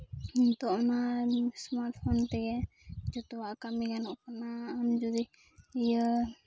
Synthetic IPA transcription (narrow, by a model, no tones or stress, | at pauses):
ɔnt̪ɔʔnasmaɾt̪̚fʰɔnt̪ɛɡɛ | d͡ʒɔt̪ɔwaʔkamiɡanɔʔkɔnaand͡ʒud̪i | ijə